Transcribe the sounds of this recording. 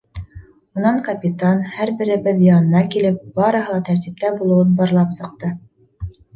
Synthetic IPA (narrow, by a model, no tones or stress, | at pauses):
unɑŋkɐpʲit̪anhæɾbɘ̆ɾɘ̆bɘðjɑnɤ̆nɑkilɘp̚b̥ɑɾɤ̆ɦɤ̆lˠɑt̪æɾt̪ip̚t̪æbulˠɤ̆wɤnbɑɾlˠɑpsɤ̆q̚t̪ɤ